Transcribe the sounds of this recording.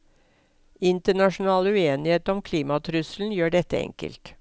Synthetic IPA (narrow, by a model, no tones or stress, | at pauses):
ɪnt̪əɳɑʂʊn̩ɑːləʉeːnɪheːt̪əɔmkʰliːmɑt̪ʰɾʉsln̩jøːɖɛt̪ːəɛ̰ŋkə̰lt̪